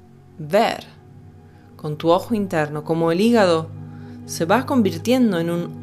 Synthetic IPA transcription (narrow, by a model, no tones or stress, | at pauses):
beɾ | ko̞nt̪uoxoint̪e̞ɾnoko̞moeliɣaðo̞se̞βako̞mbiɾt̪je̞nd̪oenun